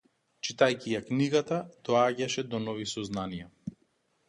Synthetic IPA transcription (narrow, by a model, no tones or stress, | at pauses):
t͡ʃit̪ajcijakniɡat̪ad̪̥ɔaɟaʃɛd̪ɔnɔvisɔznanija